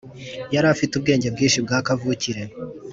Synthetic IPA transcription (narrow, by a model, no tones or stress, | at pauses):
jaɾafitub̚ɡe̞ːɲɟe̞b̚ɡiːnʃib̚ɡaːkavuciɾe̞